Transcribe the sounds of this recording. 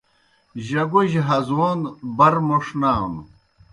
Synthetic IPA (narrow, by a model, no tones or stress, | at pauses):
ʑɐɡuʑɦɐzwonbɐɾmoʂnaːn